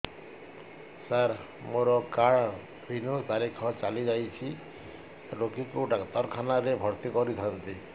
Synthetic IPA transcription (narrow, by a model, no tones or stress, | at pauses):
saɾ | moɾɔkaɭ | bʱinut̪aɾikʰɔt͡ʃalid͡ʒajt͡ʃʰi | ɾokikuɖat̪ɔɾkʰanaɾebʱɔɾt̪ikɔɾit̪ʰant̪i